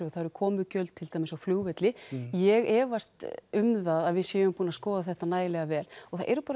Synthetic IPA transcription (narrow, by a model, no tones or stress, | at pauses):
ɔθaɾʏkʰɔːmʏcœlt̪t̪ʰːɪlt̪aːjmɪsawfluːɣvɛt̪lɪjɛɣɛːvast̪ʏmðaðaðvɪðsjɛːvʏmpuːnaskɔːðaθɛht̪anaːjɪlɛɣavɛːlɔɣθa̰ðʔɛ̰ɾʏpaːɾ